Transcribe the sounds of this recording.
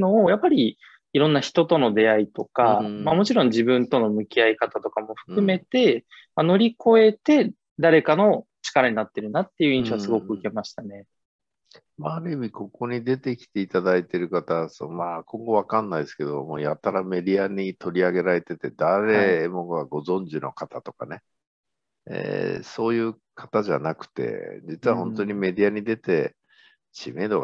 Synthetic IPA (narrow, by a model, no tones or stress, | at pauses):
no̞ːjapːaɾʲi | iɾõ̞nːaçi̥t̪o̞t̪o̞no̞d̪e̞ait̪o̞kamamo̞t͡ɕiɾõ̞ɲ̟d͡ʑibɯ̟̃nt̪o̞no̞mɯ̟kʲiaikat̪at̪o̞kamo̞ɸɯ̟̥kɯ̟me̞t̪e̞ | mano̞ɾʲiko̞e̞t̪e̞ | d̪aɾe̞kano̞t͡ɕi̥kaɾaɲ̟inat̪ːe̞ɾɯ̟nat̪ːe̞jɯ̟ĩɰ̃ɕo̞asɨɡo̞kɯ̟ɯ̟ke̞maɕi̥t̪ane̞ | maːɾɯmʲiko̞ko̞ɲ̟id̪e̞t̪e̞kʲi̥t̪e̞it̪ad̪ait̪e̞ɾɯ̟kat̪asomakõ̞ŋɡo̞βakãnːaiesɨ̥ke̞d̪o̞mo̞ːjat̪ːaɾame̞d̪ʲiaɲ̟it̪o̞ɾʲiaɡe̞ɾaɾe̞t̪e̞t̪e̞d̪aɾe̞mo̞ɡaɡo̞zõ̞ɲd͡ʑino̞kat̪at̪o̞̥kane̞ | ḛso̞ːjɯ̟ː | kʰat̪aʑa̰nakɯ̟̥t̪e̞̰d͡ʑit͡sɨβaɦõ̞nt̪o̞ɲ̟ime̞d̪ʲiaɲ̟id̪e̞t̪e̞ | ɕime̞ːd̪oɡ